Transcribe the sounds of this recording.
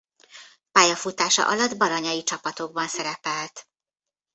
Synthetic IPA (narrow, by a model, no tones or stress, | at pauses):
paːjɒfut̪aːʃɒ̰ʔɒlɒd̪bɒɾɒɲɒjit͡ʃɒpɒt̪oɡbɒnsɛɾɛpɛlt̪